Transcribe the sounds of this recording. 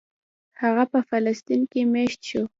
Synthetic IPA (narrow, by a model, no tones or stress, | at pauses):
hɑɢapafalast̪ɪŋkɪmeʃt̪ʃʊ